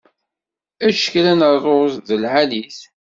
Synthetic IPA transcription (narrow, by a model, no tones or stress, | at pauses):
æʃə̥klænərˤozðəlʕaliθ